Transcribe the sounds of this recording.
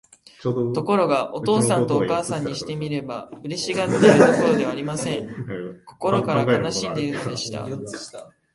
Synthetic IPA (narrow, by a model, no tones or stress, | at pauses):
t̪o̞ko̞ɾo̞ɡaʔo̞t̪o̞ːsãt̪o̞ːkaːsãɲ̟ːiɕi̥t̪e̞mʲiɾe̞baɯ̟ɾe̞ɕiɡat̪eɾɯ̟t̪o̞ko̞ɾo̞d̪e̞βaːɾʲimasẽ̞ŋko̞ko̞ɾo̞kaɾakanaɕĩnd̪e̞iɾɯnod̪e̞ɕi̥t̪a̰